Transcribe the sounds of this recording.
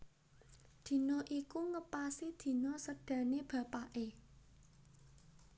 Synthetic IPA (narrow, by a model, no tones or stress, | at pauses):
d̪̥i̤nɔʔikuŋəpasid̪̥i̤nɔsəɖ̥ä̤neb̥ä̤paʔe